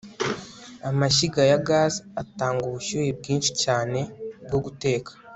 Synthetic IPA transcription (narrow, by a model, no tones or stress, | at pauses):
amaʃiɡajaɡaːzataːŋɡuβuʃuːɾib̚ɡiːnʃi̥caːne̞bɡoɡute̞ːkḁ